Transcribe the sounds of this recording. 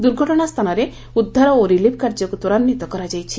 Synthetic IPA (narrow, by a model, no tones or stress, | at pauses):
d̪uɾɡʱɔʈɔɽ̃ast̪ʰanɔɾe | ud̪ʱːaɾɔoɾilip̚ʰkaɾd͡ʒɔkut̪ɔɾannit̪ɔkɔɾad͡ʒajt͡ʃʰi